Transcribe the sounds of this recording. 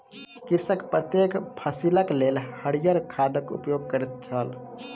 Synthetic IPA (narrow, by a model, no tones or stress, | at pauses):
kiɾsəkpɾət̪jekpʰəsiləklelhəɽijəɾkʰad̪əkṵpjoɡ̚kəɾɛt̪̚t͡ʃʰəl